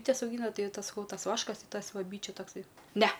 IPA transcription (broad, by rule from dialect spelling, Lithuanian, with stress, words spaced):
ˈbʲiːtʲɛs ɐʊˈɡʲiːnɐ ˈtɐɪ ˈtɐs sɐˈkɐʊ ˈtɐs ˈʋɑːʃkɐs tʲɪ ˈtɐs ˈʋɐ ˈbʲiːt͡ʃʲuː tɐkˈsɐɪ ˈnʲɛ